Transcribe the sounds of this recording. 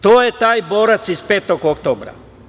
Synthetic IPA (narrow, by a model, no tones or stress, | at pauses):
t̪oːjet̪aːjbo̞ːɾat̪sizpe̞ːt̪o̞ɡokt̪oːbɾa̰